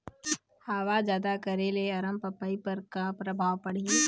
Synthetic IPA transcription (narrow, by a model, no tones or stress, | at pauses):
haːʋazjaːd̪akɐɾeleɐɾəmpɐpːaipəɾkapɾɐbʱaːʋpɐɽ̤ie